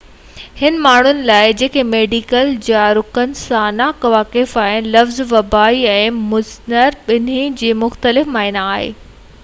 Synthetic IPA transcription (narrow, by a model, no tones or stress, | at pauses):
hɪn̆maːɳ̤ʊnɪ̆laːɪd͡ʑeːkʰemeːɖiːkəld͡ʑaɾʊkənɪ̆sãnakɐʋaːkɪfaːɪlɐfzʋɐbaːiɛ̃ːmʊznəɾɓɪnĩd͡ʑeːmʊxt̪əlɪfmaːɪnaaːɦḛː